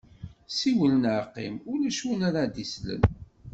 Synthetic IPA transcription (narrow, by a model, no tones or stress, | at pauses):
siwələnəɾqːimʊlæʃunaɾad̪islə̰n